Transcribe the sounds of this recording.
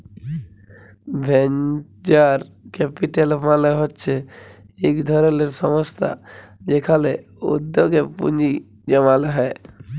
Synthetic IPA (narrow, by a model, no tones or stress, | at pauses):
bʱen | d͡ʒaɾkepiʈelmaleɦɔtːt͡ʃʰɛ | ekd̪ʱɔɾeleɾsəməst̪a̰ | d͡ʒekʰale | ṵd̪jokepṵnd͡ʒi | d͡ʒəmalɦɛ